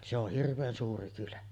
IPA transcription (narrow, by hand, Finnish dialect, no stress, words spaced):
se oh hirʋˑeːn suːri kylæ